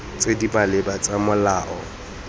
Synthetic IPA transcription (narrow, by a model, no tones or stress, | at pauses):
t͡sʼedipʼalɪbat͡sʼamʊlaːʔɔ